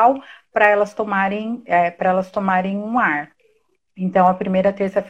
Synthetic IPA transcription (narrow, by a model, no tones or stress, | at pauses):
wpɾɐɛlɐst̪omaɾẽj̃ɛpɾɐɛlɐst̪omaɾẽj̃ũaɾ | ẽnt̪ɐ̃w̃ɐpɾimejɾɐt̪eɾsɐf